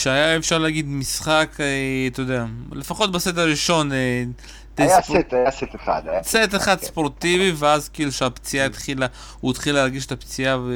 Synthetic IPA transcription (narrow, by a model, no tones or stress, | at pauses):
ʃeajaefʃaʁleaɡid̪misχaket̪ojd̪eale̞faχo̞t̪̚baset̬aʁiʃo̞ne | t̪ejjst̪ajaset̪eχa̰d̪jaset̪eχad̪spoʁt̪iviveazkeiluʃeapt͡siait̪χila | uit̪χileaʁɡiʃet̪apt͡sia